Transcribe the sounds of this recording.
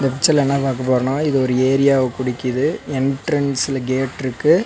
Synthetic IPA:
nd̪ɐpɪt͡ʃːɐlɛnːaːpaːɾkɐpoːɾɐɳõːɪðɯɔɾɯeːɾɪjaːʋɐkʊɽɪkːɪðɯɛnʈɾɛnsɪlɐɡeːʈːɪɾɯkːɯ

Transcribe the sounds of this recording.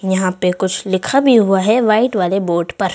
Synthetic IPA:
jɐɦãpekʊt͡ʃʰlɪkʰabʱiɦuaɦɛʋaːɪʈʋaːleboːɖpɐɾ

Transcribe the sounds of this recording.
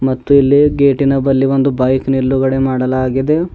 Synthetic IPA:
mɐt̪ːuilːiɡe̞ːʈinɐbɐlːiʋo̞nd̪ubɐjkniɾːuɡɐɽe̞maːɽɐlaːɡid̪e̞

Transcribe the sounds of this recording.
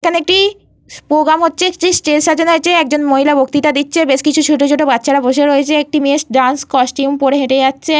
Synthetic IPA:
kʰaneek̚ʈi | pɾoɡɾamɦotːɕʰeʈesʈelʃad͡ʑonoet͡ɕʰeɛk̚d͡ʑonmoɦilabok̚t̪it̪ad̪itːɕʰebeʃkit͡ɕʰuʃʰuʈ̬od͡ʑʰoʈobatːɕʰaɾaboʃeɾojet͡ɕʰeek̚ʈimesʈɖanskɔsʈumpoɾeɦeʈed͡ʑatːɕʰe

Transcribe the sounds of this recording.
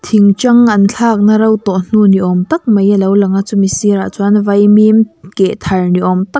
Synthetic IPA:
t̪ʰiŋt͡ʃɐŋʔɐnt͡ɬʰaːk̚nɐɾɐwt̪ɔn̥uniʔɔmt̪ɐk̚mɐjɐlɐwlɐŋat͡sumisiɾat͡sunvɐjmimkɛʔt̪ʰɐrniʔɔmt̪ɐk

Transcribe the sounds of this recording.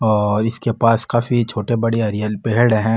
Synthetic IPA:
ɔːɾɪskepaːskaːfit͡ʃʰoːʈebɐɽeɐɾijəlpeɦɪɽɦɛ̃

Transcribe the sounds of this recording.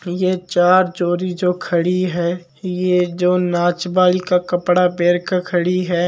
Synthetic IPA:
jet͡ʃaːɾd͡ʒoːɾid͡ʒoːkʰɐɽiɦɛː | jed͡ʒoːnaːt͡ʃbaːlikakɐpɽapeːɾkakʰɐɽiɦɛː

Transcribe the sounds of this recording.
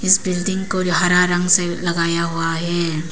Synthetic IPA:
ɪsbɪlɖɪ̃ŋɡkoɦaɾaɾɐ̃ŋɡselɐɡaːjaɦuaɦɛː

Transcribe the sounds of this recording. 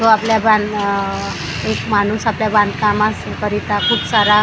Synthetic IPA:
t̪oapljabãn | ekmanuːsapljaband̪kamas | kəɾit̪akʰuːpsaɾa

